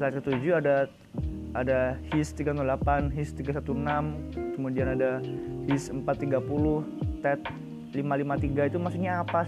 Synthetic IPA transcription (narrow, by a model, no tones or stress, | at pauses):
səlat̪̚kət̪ud͡ʒuada | adahist̪iɡanulapanɦist̪iɡasat̪unamkəmudianadahisəmpat̪ːiɡapulʊh | t̪ɛt̪̚ | limalimat̪iɡait̪umasukɲaːpa